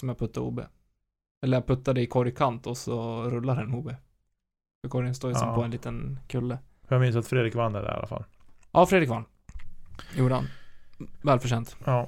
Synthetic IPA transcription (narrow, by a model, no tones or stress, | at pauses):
sɔmjapʰɵt̪ʰːaɾṵːbḛː | ɛlːəɾjapʰɵt̪ːad̪əɪkʰɔɾjkʰant̪ɔsɔɾɵlːaɾɛnuːbe | fœkʰɔɾjənst̪oːjsɛmpʰɔɛnliːt̪ənkʰɵlːə | fjamɪnsat̪fɾeːd̪ɾɪkvanːɛ̰ɖɛ̰a̰la̰fa̰l | ʔɑːfɾed̪ɾɪkvanː | juːɖəha̰n | vɛːlfœʂɛnt̪ɑ